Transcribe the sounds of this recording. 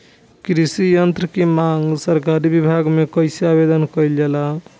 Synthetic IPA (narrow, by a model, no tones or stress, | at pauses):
kɾisijənt̪ɾəkemaŋɡsəɾkaɾibibʱaɡmekəjseabed̪ənkəjld͡ʒala